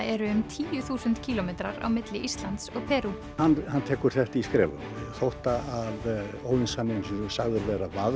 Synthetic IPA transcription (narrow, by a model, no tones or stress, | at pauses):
ɛɾʏʏmt̪ʰiːjʏθuːsʏnt̪cʰiːlɔmejt̪ɾaɾa̰wmɪt̪lɪʔist̪lant̪sɔɣpʰɛːɾu | hanːhanːt̪ʰɛːkʏɾ̥θɛht̪iskɾɛ̰ːvʏ̰mθowht̪aaðoːwinsanːɪnsinʏmsaɣðʏɾvɛːɾavað